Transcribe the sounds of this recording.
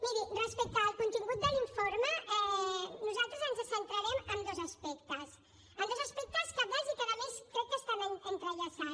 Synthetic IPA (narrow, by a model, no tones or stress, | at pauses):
miɾirəspɛk̚t̪aːlˠkunt̪iŋɡut̪̚d̪əliɱfoɾməɛnuzalˠt̪ɾəzənzəsənt̪ɾɐɾɛməmd̪ozəspɛkt̪əs | əmd̪ozəspɛk̚t̪əskəβɔzikaðəmeskɾɛt̪̚kəst̪anəŋkənt̪ɾəʎasa